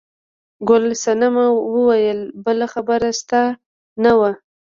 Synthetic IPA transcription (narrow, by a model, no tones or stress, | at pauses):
ɡʊlsanamawəwajəlbəlaxabəɾast̪a | nawa